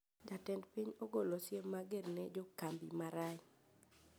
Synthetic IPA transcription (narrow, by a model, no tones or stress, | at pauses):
d͡ʒatɛndpiɲoɡolosjemːaɡernɛd͡ʒɔkambḭmaɾaɲ